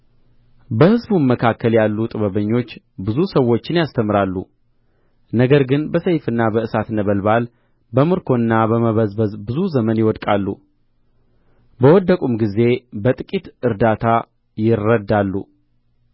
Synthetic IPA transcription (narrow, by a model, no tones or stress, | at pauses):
bəhɨzbuməkʰakːəljalːut̪ʼɨβəβəɲːo̞t͡ʃː | bɨzusəwːo̞t͡ʃːɪnjast̪ʰəmɾalːṵ | nəɡəɾɡɨnbəsəjfɨnːabəɨsat̪nəβəlbal | bəmɨɾkʰo̞ɨnːabəməβəzbəzbɨzuzəmənjɪwɔd̪kʼalːṵ | bəwɔd̪ːəkʼumɡize̞bət̪ʼɨkʼit̪ɨɾd̪at̪ʰa | jɪrːəd̪alːṵ